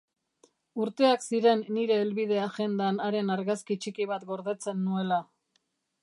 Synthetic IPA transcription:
uɾt̪e̞aksiɾe̞nːiɾe̞ːlβið̞e̞aʝe̞nd̪anaɾe̞naɾɣaskit͡ʃikiβat̪ɡo̞ɾðe̞t͡se̞nːue̞la

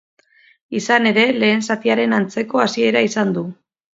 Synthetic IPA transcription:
isane̞ɾe̞le̞ːnsat̪iaɾe̞nant͡se̞ko̞asie̞ɾaisand̪u

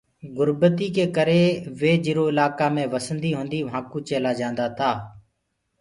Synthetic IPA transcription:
ɡʊɾbət̪iːkeːkəɾeːʋeːd͡ʒɪɾoːɪlaːkaːmẽːʋəsənd̪iːɦõːnd̪iːʋɦãːkũːt͡ʃeːlaːd͡ʒãːnd̪aːt̪ʰaː

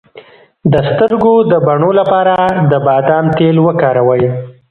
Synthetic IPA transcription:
d̪əst̪əɾɡod̪əbaɳolapɑɾad̪əbɑd̪ɑmt̪elwəkɑɾawəj

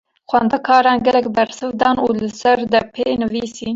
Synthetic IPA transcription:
xʷɛnd̪ɛkʰɑːɾɑːnɡɛlɛkbɛɾsɨvd̪ɑːnuːlɨsɛɾd̪ɛpʰeːnɨviːsiː

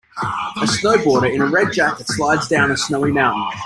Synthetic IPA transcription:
əsnəʊbɔːɾə˞ɪ̃ñəɹɛd̚d͡ʒæk̚ðɨtslaɪdzdãʊ̃nəsnəʊimãʊ̃ʔn̩

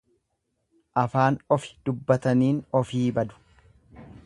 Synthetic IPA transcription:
ʔɐfaːnɔfɪ̥d̪ʊbːɐt̪ɐniːnɔfiːbɐd̪ʊ̥

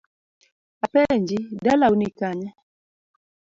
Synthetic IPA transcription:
apɛnd͡ʒidalaunikaɲɛ

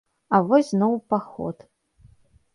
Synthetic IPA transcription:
avɔsʲznɔwpaxɔ̰t̪

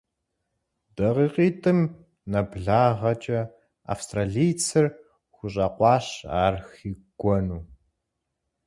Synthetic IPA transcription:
d̥ɐʁiːqiːtʰʼɨm | nɐbɮaːʁɐt͡ʃʼɐ | a̰fstraːɮijt͡sʰɨr | xʷʊɕʼɐqʷɑːɕaːrxiːɡ̥ʷɔnuː

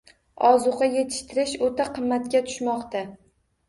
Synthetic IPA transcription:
ɒzʊʁɑje̞t̪ʰɪ̥ʃt̪ʰɪɾɪʃot̪ʰaqʰɨmːat̪kʲat̪ʰʊ̥ʃmɒqt̪a

